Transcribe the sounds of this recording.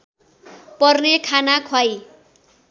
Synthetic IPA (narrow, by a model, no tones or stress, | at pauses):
pʌrnekʰanakʰwaj